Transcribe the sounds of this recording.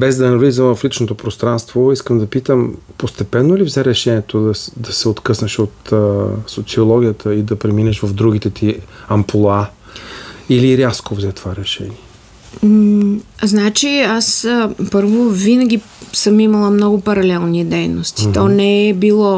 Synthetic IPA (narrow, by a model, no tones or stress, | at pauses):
bɛzd̪ɐnɐvlizəmvəflit͡ʃnot̪opɾost̪ɾanst̪voiskəmd̪ɐpit̪əmpost̪ɛpɛnːolivzɛɾɛʃɛniɛt̪od̪ɐd̪ɐsɛot̪kɤsnəʃot̪ːsot̪siolˠɔɡʲijət̪ʰəid̪ɐpɾɛminɛʃvɐvd̪ɾuɡ̟it̪ɛt̪ʰiɐmpolˠa | iliɾjaskovzɛt̪ovaɾɛʃɛ̰niɛ | znat͡ʃiaspɤɾvovinəɡʲi | sɤmimɐlˠəmnɔɡʊpɐɾɐlɛlˠnid̪ɛjnost̪i̥t̪ɔnɛɛbilˠɔ